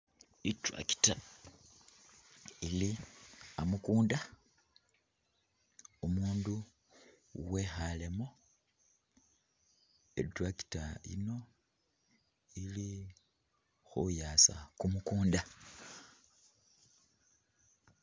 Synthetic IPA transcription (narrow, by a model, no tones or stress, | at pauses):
itwa̰ki̥ta | iliamukuːnda | omuːndu | we̞xalemo | ḛtwaki̥taḭno̞ | ili | xujaːsa̰kumukuːnda